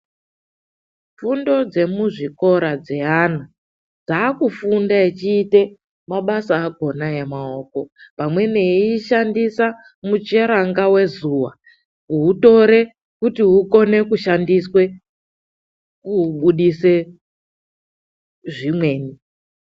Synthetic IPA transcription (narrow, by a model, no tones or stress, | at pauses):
fundo̞d͡ze̞muʐiko̞ɾad͡ze̞ana | d͡zaːkufundait͡ʃiːte̞ | maɓasaːɡʱo̞najemao̞ːko̞pamwe̞neiʃandisa | mut͡ʃe̞ɾaŋɡawe̞zuwa̰ | uuto̞ɾe̞ | kutiɦuko̞ne̞kuʃandiswe̞ | kuɓuɗise | ʐimwe̞ːni